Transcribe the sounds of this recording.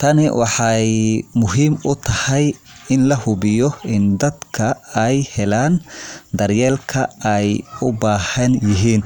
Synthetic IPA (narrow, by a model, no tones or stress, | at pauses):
t̪ʰɐnɪwɑħɑjmʊɦiːmʊt̪ʰɐhɛjɪnlɐhʊbɪjɔɪnd̪ɐd̪kʰɐɛjhɛlaːnd̪ɐɾjɛːlkʰɐɛjʊbaːhɐnjɪɦiːn